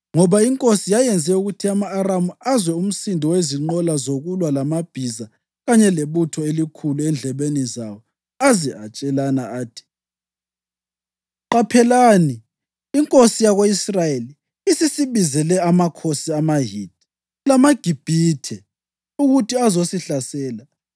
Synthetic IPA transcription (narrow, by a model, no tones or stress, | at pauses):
ŋɔβaiŋkʼosijajɛnd͡zʱɛuɣutʰiamaːramuazwɛum̩sindʱiweziŋ͡ǃɔlazoɣulwalamab̥ʱiza | ɣaɲɛleβutʰɔelikʰuluɛnd͡ɮʱɛβenizawɔ | aziat͡ʃʼɛlanaaːtʰi̥ | ǃapʰɛlaniː | ŋkʼosijaɣoisrajeli | isisiβizɛlɛamakʰosiamaɦid̥̚ʱ | lamaɡ̥ʱib̥ʱitʰɛ | uɣutʰiazosiɬasɛːla